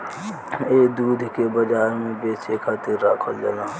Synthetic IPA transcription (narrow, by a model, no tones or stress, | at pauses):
eːd̪uːd̪ʱkebəd͡ʒaːɾmẽbeːt͡ʃekʰaːt̪iɾːaːkʰold͡ʒelãː